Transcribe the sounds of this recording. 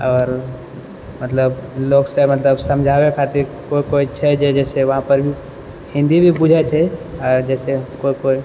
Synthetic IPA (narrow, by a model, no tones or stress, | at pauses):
ɔːɾ | mət̪ləbloksẽmət̪ləbsəmd͡ʒʱabekʰat̪iɾkoikoit͡ʃʰɛd͡ʒed͡ʒɛseʋəɦãpəɾbʱi | hĩnd̪ibʱibud͡ʒʱɛt͡ʃʰɛɔɾd͡ʒɛsekoikoi